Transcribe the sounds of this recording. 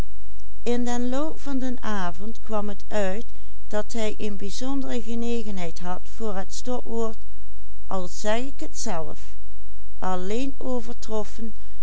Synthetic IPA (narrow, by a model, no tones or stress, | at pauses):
ɪndənlowpfɑndənaːvɔntkʋɑmɦət | œɥt | d̥ɑtɦɛjʔənbizɔndərəɣənejɣənɦɛjtɦɑtfʊːɹɦətstɔkʋoːɹt | ʔɑlˠz̥ɛjɪkɦətsɛlf | ʔɑlejn | owvəɹtrɔfən